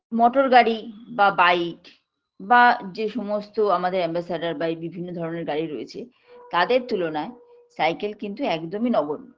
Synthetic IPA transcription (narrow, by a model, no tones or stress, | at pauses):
mɔʈoɾɡaɽibabajʈ | bad͡ʑeʃɔmost̪oamad̪eɾɛmbasaɖaɾbabibʱinːod̪ʱɔɾoneɾɡaɽiɾoet͡ɕʰe | t̪ad̪eɾt̪ulonae | sajkelkint̪uɛkd̪ominɔbonːo